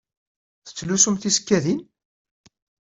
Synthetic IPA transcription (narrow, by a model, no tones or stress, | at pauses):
θə̥t͡sːlusumθiskːæðin